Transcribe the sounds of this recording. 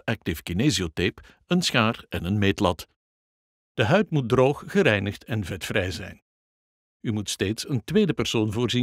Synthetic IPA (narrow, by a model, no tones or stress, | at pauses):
ɛk̚tɪfkineːziotep | ənsxaːrɛnənmeːtlɑt | d̥əɦœɥtmut̚droːxɣəɾɛjnəxtɛnvɛtfrɛjzɛ̰jn | ymutsteːtsəntʋeːdəpɛrsoːnvʊːrzi